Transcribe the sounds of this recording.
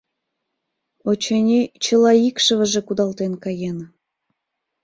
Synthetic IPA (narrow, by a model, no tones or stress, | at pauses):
ot͡ɕenʲet͡ɕə̆lɑikʃə̆βə̆ʒĕkud̪ɑlt̪enkɑjen